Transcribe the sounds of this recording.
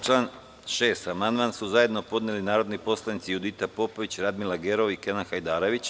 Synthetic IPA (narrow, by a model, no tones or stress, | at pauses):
t͡ʃlˠaːn | ʃeːst̪amand̪mansuzaje̞d̪no̞po̞d̪neːlinaːɾo̞d̪nipo̞slˠanit̪sijud̪it̪apo̞poʋit͡ɕɾad̪milˠaɡeɾo̞ʋikenanxajd̪aːɾoʋit͡ɕ